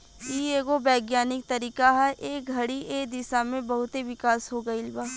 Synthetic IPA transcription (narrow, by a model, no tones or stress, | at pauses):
iːeːɡobɛːɡjaːnɪk̚t̪ɐɾiːkaɦɛʔeːk̚ɡʱɐɽiʔeːd̪ɪsamẽbɐɦʊt̪eʋɪkaːsɦoːɡɐiɪlbaː